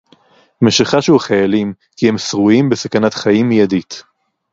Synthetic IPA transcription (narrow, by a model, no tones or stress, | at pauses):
meʃiχaʃuaχajalim | kihemsʁuimbesakanatχajimːijadit